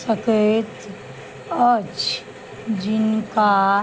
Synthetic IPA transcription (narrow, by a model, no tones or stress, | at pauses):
səket̪ | ət͡ʃ | d͡ʒɪnka